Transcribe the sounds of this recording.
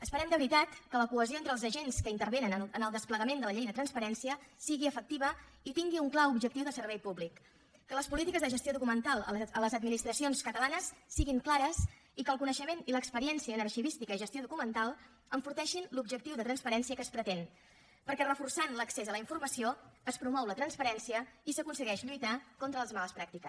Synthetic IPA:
əspəɾɛmd̪əβɾit̪at̪kələkuəzioent̪ɾəlˠzəʒenskəint̪əɾβenənəənəlˠd̪əspləɣəmend̪ələʎejðət̪ɾənspəɾɛnsiəsiɣiəfək̚t̪iβə | it̪iŋɡiuŋklawubʒək̚t̪iwðəsəɾβɛjpublikː | ələspulit̪ikəzðəʒəst̪joðukumənt̪alˠəələzəd̪minist̪ɾəsionskət̪əlanəsːiɣiŋklaɾəs | ikəlˠkunəʃəmeniləkspəɾiɛnsiəːnərʃiβist̪ikəiʒəst̪ioðukumənt̪alˠ | əɱfuɾt̪ɛʃinlubʒək̚t̪iwðət̪ɾənspəɾɛnsiəkəspɾət̪en | pəɾkɛrəfursanləksezələiɱfurməsioəspɾumɔwlət̪ɾənspəɾɛnsiəisəkunsəɣɛʃʎujt̪akont̪ɾələzmaləspɾak̚t̪ikə

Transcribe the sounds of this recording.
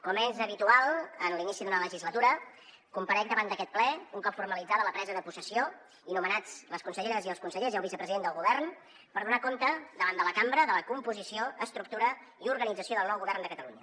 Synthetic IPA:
kɔmezəβit̪ualˠənlinisiðunələʒizlət̪uɾə | kumpəɾɛk̚d̪əβand̪əkɛt̪̚plɛuŋkɔpfuɾməlid͡zaðələpɾɛzəðəpusəsio | inumənad͡zləskunsəʎeɾəziəlˠskunsəʎeziəlˠβisəpɾəziðend̪əlˠɣuβɛrn | pəɾðunakont̪əd̪əβand̪ələkambɾəðələkumpuzisioəst̪ɾuk̚t̪uɾə | iuɾɣənid͡zəsioðəlˠnɔwɣuβɛrnd̪əkət̪əluɲə

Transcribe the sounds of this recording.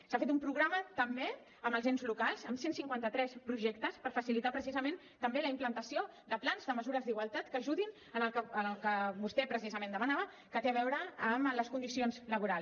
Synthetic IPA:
safet̪umpɾuɣɾamət̪əmbe | əməlˠzenzlukalˠzəmsensiŋkwant̪ət̪ɾɛspɾuʒɛkt̪əspəɾfəsilit̪apɾəsizəmen | t̪əmbeləimplənt̪əsioðəplanzðəməzuɾəzd̪iɣwalˠt̪at̪kəʒuðin | ənəlkəəlkəmust̪ɛpɾəsizəmend̪əmənaβə | kət̪eəβɛwɾəːmləskund̪isionzləβuɾalˠs

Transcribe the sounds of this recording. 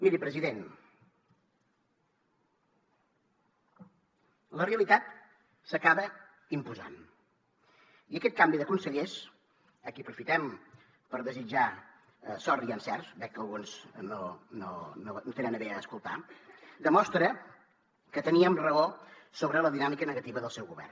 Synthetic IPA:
miɾipɾəziðen | ləreəlit̪at̪ | səkaβə | impuza̰n | iəkɛt̪̚kambiðəkunsəʎes | əkiəpɾufit̪ɛm | pəɾðəzid͡ʒa | sɔriənsɛrsbɛkːəlˠɣunznonononot̪enənəβeəːskulˠt̪a̰d̪əmɔst̪ɾə | kət̪əniəmrəosoβɾələðinamikənəɣət̪iβəðəlˠsɛwɣuβɛ̰rn

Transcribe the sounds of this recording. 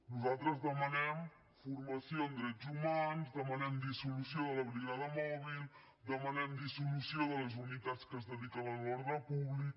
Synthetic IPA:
nuzalˠt̪ɾəzðəmənɛm | furməsioənd̪ɾɛd͡zumanzd̪əmənɛmd̪isulusioðələβɾiɣaðəmɔβilˠ | d̪əmənɛmd̪isulusioðələzunit̪at͡skəzðəðikənəlɔɾðəpuβlik̚

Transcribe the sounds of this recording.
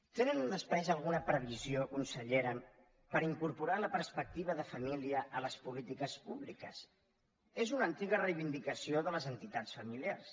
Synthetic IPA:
t̪enənunəspajzəlˠɣ̞unəpɾəβiziokunsəʎeɾəm | pəɾiŋkuɾpuɾaləpəɾspək̚t̪iβ̞əðəfəmiliəʔələspulit̪ikəspuβlikəs | ezunəːnt̪iɣərəjβind̪ikəsioðələzənt̪it̪at͡sfəmiliars

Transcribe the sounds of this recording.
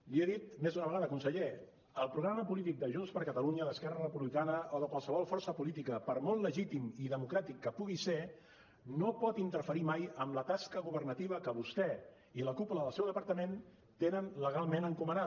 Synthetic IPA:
lieðit̪mezunəβəɣaðəkunsəʎe | əlˠpɾuɣɾaməpulit̪̬ik̚d̪əʒunspəɾkət̪əluɲəðəskɛrərəpuβlikanəʔoðəkwalˠsəβɔlˠfɔrsəpulit̪̬ikəpəɾmɔlləʒit̪imiðəmukɾat̪ikːəpuɣ̞ise | nopɔt̪int̪əɾfəɾimajəmlət̪askəɣuβərnət̪iβ̞əkəβust̪ɛ | iləkupuləðəlˠsɛwðəpəɾt̪əmen | t̪enənləɣalˠmenəŋkuməna

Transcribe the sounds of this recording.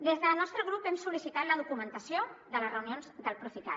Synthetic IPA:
d̪ezðəlˠnɔst̪ɾəɣ̞ɾupɛmsulisit̪at̪ləðukumənt̪əsijoðələzrəwnionzd̪əlˠpɾufit̪a̰

